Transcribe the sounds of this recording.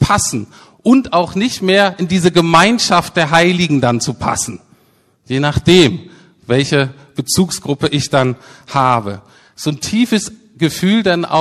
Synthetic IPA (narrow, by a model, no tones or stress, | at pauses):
pʰasn̩ | ʔʊntaʊxnɪçtmeːɐʔɪndiːzəɡəmaɪnʃaft̚d̥eːɐɦaɪlɪɡŋ̩dant͡supʰa̰sn̩ | jeːnaχd̥eːm | vɛlçə | b̥ət͡suːksɡ̥ʁʊpəʔɪçd̥anhaːbə | z̥oːntʰiːfəs | ɡ̥əfyːldanʔa̰